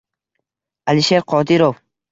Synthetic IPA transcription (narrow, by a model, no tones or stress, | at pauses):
aliʃeɾqʰɒːd̪iɾow